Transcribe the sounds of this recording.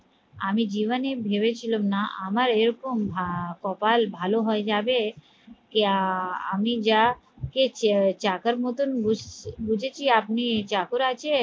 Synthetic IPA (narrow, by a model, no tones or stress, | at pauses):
amid͡ʒiʋənebʱeʋet͡ʃʰilomnaa̰məɾeɾɔkombʱakɔpalbʱaloɦɔed͡ʒabe | keamid͡ʒa | ket͡ʃakəɾmot̪unubud͡ʒʱet͡ʃʰiapnit͡ʃakuɾat͡ʃʰe